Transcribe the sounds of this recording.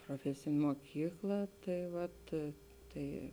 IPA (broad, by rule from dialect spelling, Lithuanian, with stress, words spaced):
proːˈfʲæːsʲeːnʲeː moːˈkʲiːklˠɐ ˈtɐɪ ˈʋɐt ˈtɐɪ